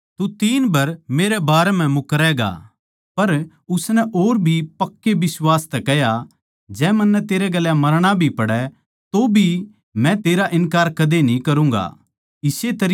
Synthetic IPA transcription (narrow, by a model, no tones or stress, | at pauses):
t̪ut̪iːnbɐɾmeːɾɛbaːɾɛm̤ɛ̃mʊkɾɛːɡa̰ː | pɐɾ | ʊsnɛʔoːɾbʱipɐkːebɪswaːst̪ɛkɛɦja | d͡ʒɛːmɐnːɛt̪eːɾɛɡɐljãmɐɾɽ̃abʱipɐɽɛ | t̪obʱi | mɛ̃t̪eːɾaʔɪnkaːɾkɐd̪enĩkɐɾũŋɡa̰ | ɪset̪ɐɾ